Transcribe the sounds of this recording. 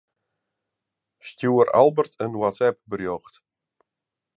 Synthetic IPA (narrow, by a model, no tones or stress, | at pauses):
stjuəɾa̰lˠbərtʰənwatsɛp̚bərjɔxt